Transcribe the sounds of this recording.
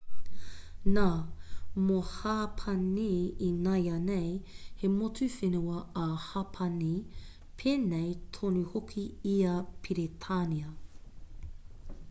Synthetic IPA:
na | mohapʰɐniinɐjɐnejhemotufenuɐɐhɐpʰɐni | pʰeːnejtʰonuhokʰiiɐpʰiɾetʰaniɐ

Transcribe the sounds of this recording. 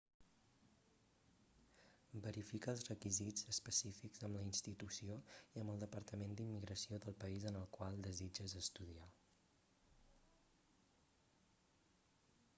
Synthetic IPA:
bəɾifikəːlˠzrəkizid͡zəspəsifikzəmləinst̪it̪usioiəmbəlˠd̪əpəɾt̪əmend̪imːiɣɾəsioðəlˠpəizənəlˠkwalˠd̪əzid͡ʒəzəst̪uðia

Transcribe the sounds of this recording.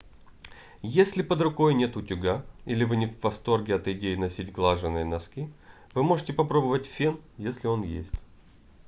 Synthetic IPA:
jesʲlʲɪpəd̪ɾʊko̞jnʲe̞t̪ʊtʲʊɡailʲɪvɨnʲɪvːɐst̪o̞rɡʲɪɐt̪ɪdʲejɪnɐsʲitʲɡlˠaʐɨnːɨjnɐskʲi | vɨmo̞ʐɨtʲɪpɐpɾo̞bəvətʲfʲinjesʲlʲɪo̞njḛsʲtʲ

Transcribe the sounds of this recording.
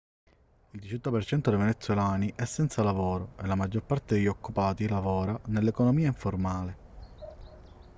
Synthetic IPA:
ild̪it͡ʃɔt̪ːapert͡ʃɛnt̪od̪ejvenet̪sjolaːniʔɛsːɛnt̪salavoːɾoelːamad͡ʒːorpart̪ed̪eʎːokːupaːt̪ilavɔːɾanelːekonomiːaiɱformaːle

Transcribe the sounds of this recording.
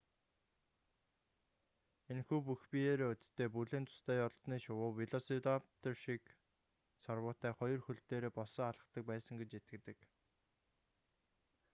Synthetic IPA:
enxuːpuxpijeːɾeːɵt̪t̪ːeːp̬uɮĕːnt͡s̪ʊ̥st̪æːjɔɮt̪niːʃʊwʊːwiɮɔsit̪apt̪ɔrʃik | sarwʊːt̪æːχɔjɞ̆rxɵɮt̪eːɾeːpɔsɔːaɮə̆χt̪ə̆k̚pæːsə̆ŋɡet͡ɕet̪̚ɡɘ̆t̪ɘ̆k

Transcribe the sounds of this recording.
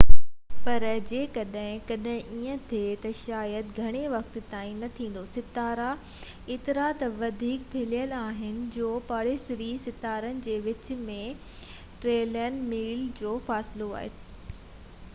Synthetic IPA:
pɐɾd͡ʑeːkɐɗɦɪ̃kɐɗɦɪ̃ʔiːə̃t̪ʰet̪ɐʃaːjəd̪ɡʱɐɽ̃eʋɐk̚t̪t̪aːĩnɐt̪ʰĩːn̆d̪osɪt̪aːɾa | ɪːt̪ɪɾat̪ɐʋɐd̪ʱiːk̚bʱɪlijəlaːɦɪnɪ̆d͡ʑoːpaːɽesɪɾisɪt̪aːɾənɪ̆d͡ʑeːʋɪt͡ɕ̆mẽ | ʈɾeːlɛːnɖmiːld͡ʑoːfaːsɪloa̰ːɦḛː

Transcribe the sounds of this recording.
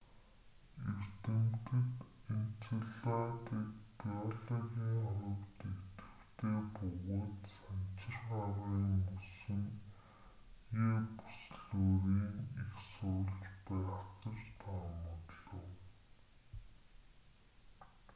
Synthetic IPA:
er̥t̪ɘ̆mt̪ɘ̆k̪en̥t͡sʰɘ̆ɮaːt̪ikpiɔɮɔɣʲiːŋɔjɞ̆kt̪ekt̪ɘ̥̆wt̪ʰeːpʊɣoːt̪sant͡ɕɪ̆rχaɾiːŋmusɵ̆n | jeːpu̥sɮoːɾiːŋixsʊːɮt͡ɕpæːχt̪ə̆t͡ɕt̪ʰaːmɔt̪ɮɞ̆w

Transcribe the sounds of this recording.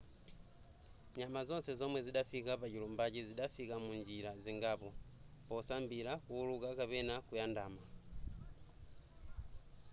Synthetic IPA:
ɲamazɔnsɛzɔmwɛziɗafikapat͡ʃilumbat͡ʃiziɗafikamund͡ʒiɾaziŋɡapɔ | pɔsambiɾakuːlukakapɛnakujandaːma

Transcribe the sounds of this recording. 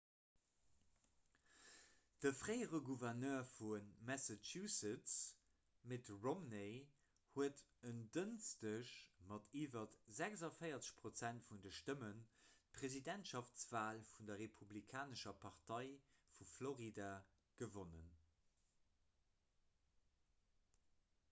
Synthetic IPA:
d̥əfʁeɪəʁəɡuvɛʁnœːɐfunmæsat͡ʃusət͡s | metʁomne | huətəndənstəʃmɑtʰiːvɐtz̥æɡzɑfəɪɐt͡sə̥ɕpʁot͡sæntfundəʃtəmən̚pʰʁezidɛntʃɑft͡sv̥aːlfundɐʁepʰublikʰaːnəʃɐpʰɑʁtɑɪfufloʁida | ɡ̥əvonən

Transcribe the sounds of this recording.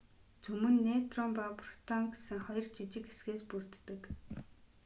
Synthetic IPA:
t͡sɵmɵ̆nːet̪rɔmpaprt̪ʰɔŋɡesɘ̆ŋχɔjɞ̆rt͡ɕit͡ɕɪ̆kesɡeːspurt̪ːɘ̆k

